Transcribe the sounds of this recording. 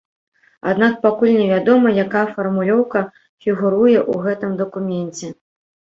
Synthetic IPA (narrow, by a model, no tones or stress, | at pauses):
a̰d̪nak̚pakulʲnʲɛvʲad̪ɔmɐjakajfɐrmulʲɔwkɐ | fʲiɣuɾujɛʔuɣɛt̪ɨmd̪ɐkumʲɛnʲt͡sʲɛ